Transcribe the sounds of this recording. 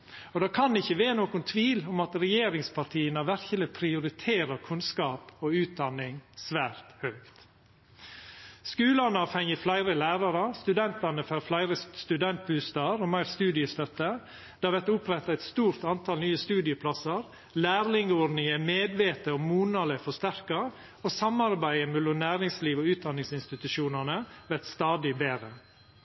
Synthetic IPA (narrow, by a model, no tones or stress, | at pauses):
ɔd̪ɑːkʰɑnd̪ɪçːəʋeːnoːkʊnt̪ʰʋiːlɔmɑt̪ɾɛjeːɾɪŋspʰɑɾʈʰiːənɑʋæɾçələpʰɾɪʊɾɪt̪ʰeːɾəɾkʰʉnskɑːpɔʉːt̪̚d̪ɑnːɪŋsʋæːɾt̪hœːkt̪ | skʉːlɑnɑːfhɛŋəflæɪɾəlæːɾɑɾəst̪ʉd̪ɛnt̪ɑnəfœɾflæɪɾəst̪ʉd̪ɛnt̪̚bʉːst̪ɑɾɔmæɪɾst̪ʉːd̪ɪəst̪œt̪ːə | d̪̥ɑːʋɛt̪ʊpʰɾɛt̪ːɑɛt̪st̪uːɾt̪ɑnt̪ʰɑːlnyːəst̪ʉːd̪ɪəpʰlɑsəɾ | læːɾlɪŋəɔɾɖnɪŋɛmeːd̪ʋeːt̪əɔmuːnɑləfɔʂt̪æɾkɑ | oːsɑmɑɾbæɪəmɛlːʊmnæːɾɪŋsliːʋoːʉːt̪̚d̪ɑnːɪŋsɪnst̪ɪt̪ʉʃuːnənəʋɛt̪st̪ɑːd̪ɪbeːɾə